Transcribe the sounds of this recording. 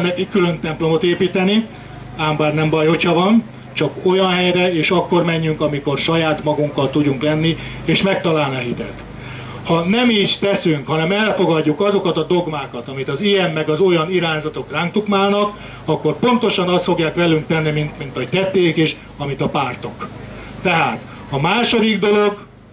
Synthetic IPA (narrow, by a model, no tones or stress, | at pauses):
nɛkikːylø̞nt̪ɛmplo̞mo̞t̪eːpiːt̪ɛni | aːmbaːrnɛmbɒjho̞chɒvɒn | t͡ʃɒko̞jɒnɦɛjɾɛeːʃɒkːo̞rmɛɲːyŋkɒmiko̞rʃɒjaːt̪mɒɡuŋkːɒlt̪uɟuŋklɛnːi | eːʃmɛk̚t̪ɒlaːlnɛɦit̪ɛ̰t̪ | hɒnɛmiːʃt̪ɛsyŋkhɒnɛmɛlfo̞ɡɒɟːukɒzo̞kɒt̪ɒd̪o̞ɡmaːkɒt̪ɒmit̪ɒzijɛmːɛɡɒzo̞jɒniɾaːɲzɒt̪o̞kraːŋk̚t̪ukmaːlnɒk | ɒkːo̞rpo̞nt̪o̞ʃɒnɒst̪foɡjaːkʋɛlyŋk̚t̪ɛnːimint̪mint̪oct̪ɛt̪ːeːkeːʃ | ɒmit̪ɒpaːrt̪o̞k | t̪ɛɦaːt̪ | ɒmaːʃod̪iɡd̪o̞lo̞ɡ